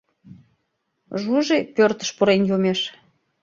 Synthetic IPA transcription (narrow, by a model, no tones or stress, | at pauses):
ʒuʒepørt̪ə̥ʃpoɾenjomeʃ